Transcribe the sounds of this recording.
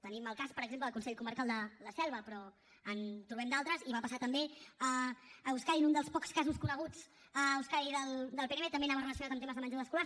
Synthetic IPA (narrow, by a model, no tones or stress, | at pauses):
t̪əniməlˠkaspəɾəɡzempləðəlkunsɛʎkuməɾkalˠd̪ələsɛlˠβəpɾɔ | ənt̪ɾuβɛmd̪alˠt̪ɾəziβapəsat̪əmbeəːuskaɾinund̪əlˠspɔkskazuskunəɣ̞ud͡z | əuskaɾiðəlˠd̪əlˠpenemet̪əmbenaβərələs̬iunat̪əmt̪eməzðəmənd͡ʒaðəskula